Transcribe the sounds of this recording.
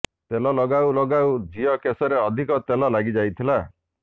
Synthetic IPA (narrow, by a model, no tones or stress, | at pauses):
t̪elɔlɔɡawlɔɡawd͡ʒiɔkesɔɾeɔd̪ʱikɔt̪elɔlaɡid͡ʒajt̪ʰila